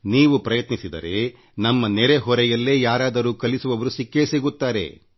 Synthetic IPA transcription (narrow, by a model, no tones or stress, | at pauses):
niːʋupɾɐjɐt̪nisid̪ɐ̰ɾe̞ | nɐmːɐnɛɾeɦɔɾɛjɐlːe̞ːjaːɾaːd̪ɐɾuːkɐlisuʋɐʋɐɾusikːe̞ːsiɡut̪ːaːɾe̞̰